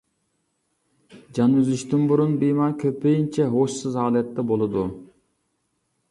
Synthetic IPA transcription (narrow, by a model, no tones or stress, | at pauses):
d͡ʒɑnyzyʃt̪ynbuɾunbijmɑɾkʲʰøpʰejint͡ʃʰɛɦoʃsɨzɑːlˠɛt̪ːɛbolˠɨd̪u